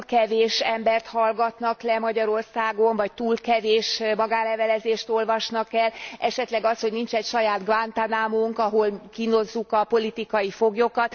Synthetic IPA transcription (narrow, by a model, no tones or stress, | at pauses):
kɛveːʃɛmbɛrt̪hɒlɡɒt̪nɒklɛmɒɟɒɾo̞rsaːɡo̞ɱvɒc̚t̪uːlkɛveːʃmɒɡaːlɛvɛlɛzeːʃt̪o̞lvɒʃnɒkɛlɛʃɛt̪lɛɡɒshoɟnint͡ʃɛcʃɒjaːd̪ɡvant̪anaːmoŋkɒɦo̞lkino̞zːukɒpo̞lit̪ikɒjifoɡjokɒt̪